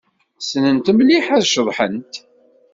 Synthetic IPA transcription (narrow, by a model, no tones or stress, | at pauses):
snənt̪əmliħæðʃəðˤħə̰nt̪